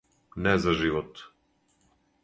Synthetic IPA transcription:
nɛzaʒivɔt̪

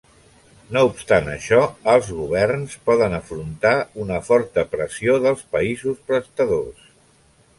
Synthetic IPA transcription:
noupst̪anə̰ʃɔəlˠzɣuβ̞ɛrnspɔðənəfɾunt̪aunəfɔɾt̪əpɾəsioðəlˠspəizuspɾəst̪əðos

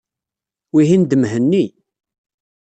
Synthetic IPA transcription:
wiɦind̪əmɦənːi

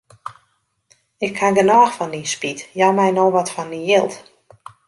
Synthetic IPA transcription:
ɪkʰːanɡənɔːxfɔndinspitjamɛjnoːʋɔtfɔndijɪlˠt

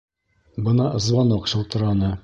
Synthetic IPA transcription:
bɤ̆nɑ̆zvɑnoqɕɤ̆lˠt̪ɤ̆ɾɑnɤ

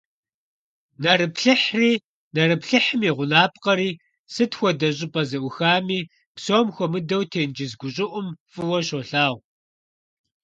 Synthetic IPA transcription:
nɐɾɨpɬɨħriː | nɐrɨpɬɨħɨmeːʁʷʊnaːp̚ʼqɐɾiː | sɨtxʷɔdɐɕ̬ʼɪpʼɐzɨʔʷʊxaːmiː | psoːmxʷɔmɨdɐwtʰeːnd͡ʒɪzɡʷʊɕʼɪʔʷʊmfʼɨwɐɕoːɬaːʁʷ

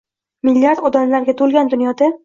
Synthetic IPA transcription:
mɪlːijaɾd̪ɒd̪amlaɾɡʲat̪ʰolˠɡʲand̪ʊnjɒd̪a

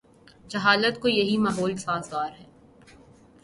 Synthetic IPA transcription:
d͡ʒɐɦaːlət̪̚kojɐɦimaɦoːlsaːzɡaːɾɦɛː

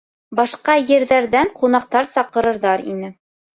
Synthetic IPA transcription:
bɑʃqɑjɘ̆ɾðæɾðæɴqunɑq̚t̪ɑɾsɑqɤ̆ɾɤ̆ɾðɑɾḭnɘ

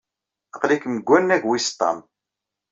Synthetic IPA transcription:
əqlikməɡʷːænːæʝwist̪ˤːɑ̰m

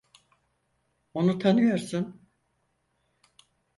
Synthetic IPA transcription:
onut̪ʰanɯjo̞ɾsun

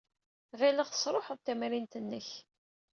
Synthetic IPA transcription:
ʁiləʁθə̥sˤɾˤoħəðˤt̪æmɾint̪ənːəç

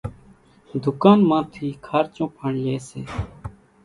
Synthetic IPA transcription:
d̪ʱʊkaːnmãːt̪ʰiːkʰaːɾt͡ʃõːpʰaːɳleːsḛː

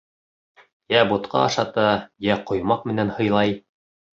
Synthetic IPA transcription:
jæbut̪qɑ̰ɑʃɑt̪ɑjæqŏjmɑqmɘ̆nænhɤ̆jlˠɑj

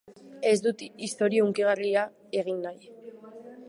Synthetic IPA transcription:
e̞zd̪ut̪iist̪o̞ɾiouŋkiɣaria | e̞ɣ̞inːaj

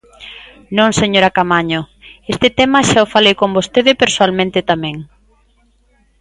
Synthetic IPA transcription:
nõŋseɲoɾakamaɲo | est̪ɪt̪ɛmaʃaofalejkõmbost̪eðɪpeɾsoalmẽnt̪ɪt̪amɛ̃ŋ

